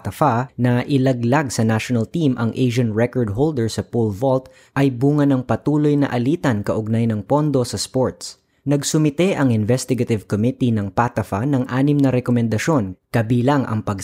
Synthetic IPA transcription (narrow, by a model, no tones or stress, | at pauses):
t̪ɐfanɐʔɪlɐɡlaɡsɐnaʃonɐlt̪imʔɐŋʔejʃɐnɹɛkɔɹd̪̚ɦowld̪ɛɹsɐpolvolt̪ | ʔɐjbuːŋɐnɐŋpɐt̪uːlojnɐ̰ʔɐliːt̪ɐnkɐʔʊɡ̚najnɐŋpo̞nd̪o̞sɐspoɹt̪s | nɐɡsʊmɪt̪ɛʔɐŋɪnvɛst̪ɪɡɐt̪ɪvkomit̪inɐŋpat̪ɐfanɐŋʔaːnɪmnɐɾɛkomɛnd̪ɐʃo̞nkɐbiːlɐŋʔɐ̰ŋpɐɡ